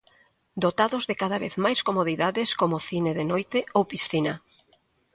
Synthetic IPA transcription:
d̪ot̪aðʊzðɪkaðaβeθmajskomoðiðaðɪskomoθineðenojt̪ɪowpisθina

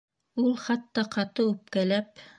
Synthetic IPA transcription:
ulˠχɑt̪ːɑqɑt̪ɤʉp̚kælæp

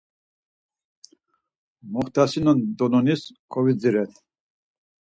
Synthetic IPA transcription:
mɔχt̪ʰasinɔnd̪ɔnɔniskʰɔvid͡ziɾɛt̪ʰ

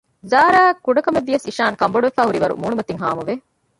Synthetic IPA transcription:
zaːɾaːkːuɖɐkɐmeʋːijɐsiʃaːŋkɐmboɽuʋefæːɦuɾiʋɐɾṵmuːnumɐt̪iŋɦa̰ːmɐʋe

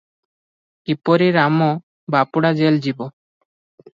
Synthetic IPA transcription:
ipɔɾiɾamɔ | bapuɽad͡ʒeld͡ʒibɔ

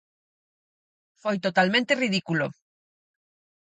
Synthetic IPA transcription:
fojt̪ot̪almẽnt̪eriðikulo

